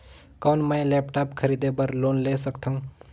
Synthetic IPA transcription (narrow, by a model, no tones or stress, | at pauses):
konmə̃jlɛːpʈaːpkʰəɾid̪ebəɾloːnlesəkt̪ʰãũ